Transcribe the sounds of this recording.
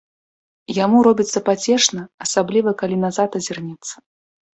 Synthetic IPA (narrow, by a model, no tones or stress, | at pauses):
jamuɾɔbʲit̪sːɐpat͡sʲɛʂnɐːsablʲivɐkalʲinazat̪ɐzʲirnʲɛt̪sːɐ̥